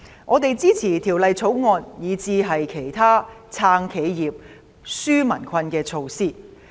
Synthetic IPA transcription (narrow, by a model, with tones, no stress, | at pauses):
ŋʔɔː˨˧t̪e˨˧jt͡siː˥t͡sʰiː˨˩t̪ʰiː˨˩wlɐ˨jt͡sʰo˨˥wŋɔː˧n̚jiː˨˧t͡siː˧ɦɐ˨jkʰe˨˩jt̪ʰaː˥t͡sʰaː˧ŋkʰe˨˧jjiː˨p̚ | syː˥mɐ˨˩nkʰɐ˧nkɛː˧t͡sʰo˧wsiː˥˩